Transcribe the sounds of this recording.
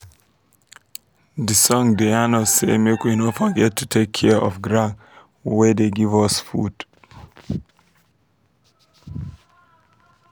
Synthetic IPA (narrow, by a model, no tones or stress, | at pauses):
dəsɔ̃ŋdeanɔsḛmekwinotfɔɡɛtʰːutʰekʰːɛʔɔ̰vɡɹãn | wɛdeɡivɔsfṵd̥